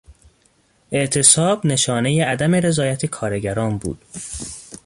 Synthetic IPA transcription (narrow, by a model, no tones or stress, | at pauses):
ʔe̞ʔt̪ʰe̞sɒːbne̞ʃɒːnejeæd̪æmeɾe̞zɒːjæt̪ʰekʰɒːɾe̞ɟæɾɒːnbṵːd̪̥